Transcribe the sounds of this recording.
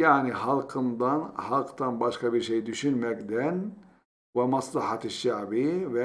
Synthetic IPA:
jaʕnihɑlˠqʰɯnd̪ɑnhɑlˠqt̪ɑnbɑʃkɑbiɾʃejd̪yʃynmɛkd̪æn | vɛmɑslˠɑhɑt̪ʰiʃːaʕbivɛ

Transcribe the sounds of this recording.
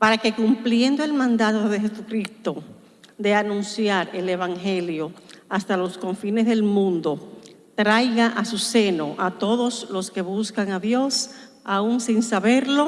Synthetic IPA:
paɾake̞kumplje̞nd̪o̞e̞lmãnd̪at̪o̞ðe̞he̞sukɾist̪o̞ | d̪e̞anũnsjaɾe̞le̞βaŋhe̞ljo̞ast̪alo̞sko̞ɱfinesðelmũnd̪o̞ | t̪ɾajɣaʔasuse̞no̞ʔat̪o̞ðo̞slo̞ske̞βuskaŋaðjo̞s | auŋsiŋsaβe̞ɾlo̞

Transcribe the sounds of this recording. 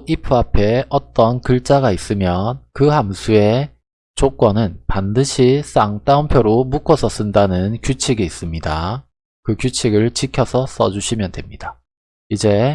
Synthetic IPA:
ipʰɯapʰe̞ʌt͈ʌnkɯɭt͡ɕ͈aɡais͈ɯmjʌnkɯhamsʰue̞ | t͡ɕok͈wʌnɯnpandɯɕʰis͈aŋt͈aumpʰjoɾomukʰʌsʰʌs͈ɯndanɯnkjut͡ɕʰiɡiis͈ɯmɲida̰ | kɯkjut͡ɕʰiɡɯɭt͡ɕikʰjʌsʰʌs͈ʌ̰d͡ʑuɕʰimjʌndwe̞mɲid̥a | id͡ʑe̞

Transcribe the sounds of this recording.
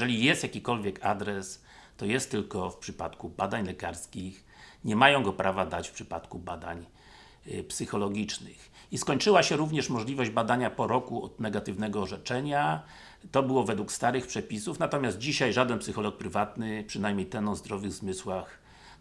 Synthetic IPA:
ɛlʲijɛst̪jakʲikɔlvʲjɛkʰad̪ɾɛs | t̪ɔjɛst̪ːɘlkɔfpʂɘpa̰t̪kubad̪aɲlɛkaɾskʲix | ɲɛmajɔ̃w̃ɡɔpɾʔavad̪at͡ɕfpʂɘ̥pat̪kubad̪a̰ɲ | psɘxɔlɔɡʲit͡ʂnɘ̰x | iskɔɲt͡ʂɘwaɕɛɾuvɲɛʂmɔʐlʲivɔʑd͡ʑbad̪aɲapɔɾɔkuɔ̰d̪nɛɡat̪ɘvnɛɡɔːʐɛt͡ʂɛɲa | t̪ɔbɘwɔvɛd̪wukst̪aɾɘxpʂɛpʲisufnat̪ɔmʲaszt̪̚d͡ʑiɕajʐad̪ɛnpsɘxɔlɔk̚pɾɘvat̪nɘpʂɘnajmɲejt̪ɛnɔ̃zd̪ɾɔvɘɣzmɘswax

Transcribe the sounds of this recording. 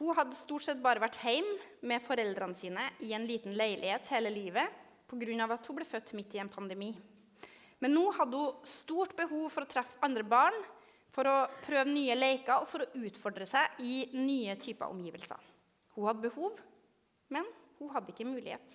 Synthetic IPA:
hʊhɑd̪ːəst̪uːʈsɛt̪̚bɑːɾəʋæʈːhæɪmːɛfɔɾɛld̪ɾɑnəsiːnəʔɪɛnliːt̪n̩læɪlʔɪheːt̪heːləliːʋə | pʰɔɡɾʉnːɑʋɑt̪hʊblɛːfœt̪ːmɪt̪ːɪɛːnpʰɑnd̪əmiː | mɛnːuːhɑd̪ːəhʊst̪uːʈbəhuːʋfɔɾɔt̪ʰɾɛfːɑnd̪ɾəbɑːɳ | fɔɾɔpʰɾøːʋənyːəleɪkɑɔfɔɾɔʔʉːt̪fɔɖɾəsæɪʔɪnyːət̪ʰyːpəɑ̰ʔɔ̰mjiːʋə̰lsə̰ɾ | hʊhɑd̪ːəbəhuːʋ | mɛnhʊɦɑd̪ːəɪkːəmʉːlɪ̰hḛːt̪

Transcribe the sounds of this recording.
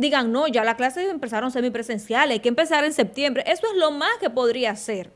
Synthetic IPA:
d̪iɣaŋno̞ʝalaklaseempesaɾonseɾmipɾese̞nsjalekempe̞saɾense̞p̚t̪je̞mbɾeʔe̞soezlo̞mahke̞po̞ðɾiase̞ɾ

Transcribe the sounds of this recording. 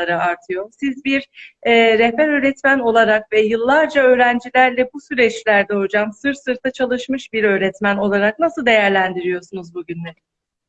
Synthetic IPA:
aɾɯaɾt̪ʰɯjo̞ɾsizbiɾɛːɛpæɾø̞ːɾɛt̪mæno̞lˠaɾakvɛjɯlˠːaɾd͡ʒaø̞ːɾænd͡ʒilʲæɾlʲɛbusyɾɛt͡ʃlʲæɾd̪ɛho̞d͡ʒamsɯɾt̪sɯɾt̪ʰat͡ʃʰalˠɯʃmɯʃbiɾø̞ːɾɛt̪mæno̞lˠaɾak̚nasɯlˠd̪e̞jæɾlʲænd̪iɾijo̞sunuzbuɟynmɛ

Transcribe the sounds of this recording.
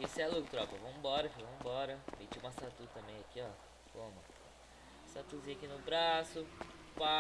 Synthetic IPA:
kesaluɡt̪ɾɔpɐvɐ̃mʊbɔɾɐfivɐ̃mbɔɾɐmet͡ʃiũmɐsat̪ut̪ɐ̃mẽj̃akiɔ | kõmɐ | sat̪uzĩɐakinʊbɾasʊ | pa

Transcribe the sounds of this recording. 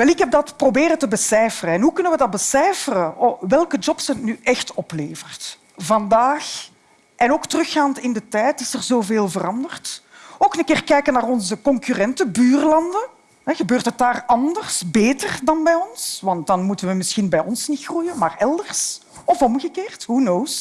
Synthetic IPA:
ʋɛlˠɪkɦɛb̚dɑtprobeːɾəntəbəsɛːfərəɛnɦukɵnənʋədɑt̚bəsɛːfərəʋɛlˠkəd͡ʒɔpsətnyʔɛxtɔpleːvərt | vɑndaːx | ʔɛnoːktərʏxaːntɪndətɛjtɪsərzoːveːlˠvərɑndərtoːkənənkɪːrkɛjkənaːrɔnzəkɔŋkyrɛntəbyːrlɑndən | ɦɛɣəbøːrtɦət̚daːrɑndərsbeːtərdɑnbɛjɔnsʋɑnt̚dɑnmutənʋəmɪsxinbɛjɔnsnitxrujənmaːrɛlˠdərs | ɔfɔmɣəkeːrtɦunoːs

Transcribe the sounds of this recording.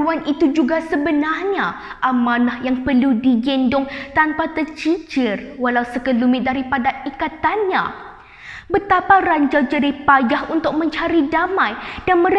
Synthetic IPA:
uanit̪ud͡ʒuɡasəbənarɲa | ʔamãnahjaŋpərludiɡɛndʊŋt̪anpat̪ərt͡ʃid͡ʒɪrwalausəkəlumɪdaɾipadaikat̪anɲa | bət̪aparaɲd͡ʒawd͡ʒadihpajaɦunt̪ʊk̚mə̃ɲt͡ʃaɾidamãjd̥anmə̃ɾ

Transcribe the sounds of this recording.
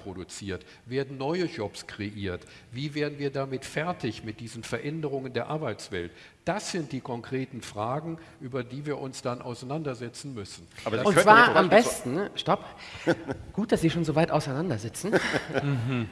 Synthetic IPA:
pʁ̥odut͡siːɐt | v̥eːɐdn̩nɔʏəʒɔpskʁ̥eʔiːɐt | viːveːɐdn̩viːɐdamɪtfɛɐtɪçmɪt̚d̥iːzənfɛɐʔɛndəʁ̞ʊŋəndeːɐʔaɐbaɪt͡sv̥ɛ̰lt | d̥asz̥ɪnt̚d̥iːkʰɔŋkʁ̥eːtn̩fʁ̥aːɡŋ̩ | ʔyːbɐdiːviːɐʔʊnsd̥anʔa̰ʊsaɪnandɐzɛt͡sn̩mʏsn̩abɐaʊnv̥aːɐamɛstn̩ʃtɔp | ɡ̥uːt̚d̥asv̥iːʃoːnzoːvaɪtʔaʊsaɪnandɐzɪt͡sn̩

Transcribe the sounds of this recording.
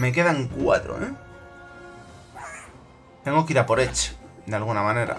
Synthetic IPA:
me̞k̬e̞ðaŋkwa̰t̪ɾo̰e | t̪e̞ŋɡo̞kiɾapo̞ɾet͡ʃd̪ealɣunamãne̞ɾa̰

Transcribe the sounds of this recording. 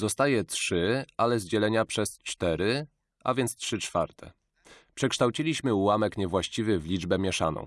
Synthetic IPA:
zɔst̪ajɛtʂɘalɛzd͡ʑɛlɛɲapʂɛst͡ʂt̪ɛɾɘ | ʔa̰vʲjɛnt̪stʂɘt͡ʂfa̰ɾt̪ʰɛ̰ | pʂɛkʂt̪awt͡ɕilʲiɕmɘuwamɛkɲɛvwaɕt͡ɕivɘvlʲid͡ʐbɛmʲjɛʂa̰nɔ̰w̃

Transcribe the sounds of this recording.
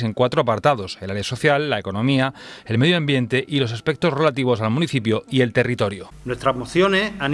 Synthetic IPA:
e̞ŋkwat̪ɾoapaɾt̪aðo̞selaɾjeso̞θjalːae̞ko̞nõ̞miae̞lme̞ðjoambje̞nt̪e̞ʔilo̞saspe̞k̚t̪o̞zre̞lat̪iβ̞o̞salmũniθip̬joie̞lt̪e̞rit̪o̞ɾjo | nwest̪ɾaɦmoθjonean

